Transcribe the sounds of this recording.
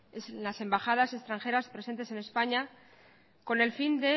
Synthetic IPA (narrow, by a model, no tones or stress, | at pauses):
eslase̞mbaxað̞ase̞st̪ɾaŋxe̞ɾaspɾe̞se̞nt̪e̞se̞ne̞spaɲa | ko̞ne̞lfind̪e̞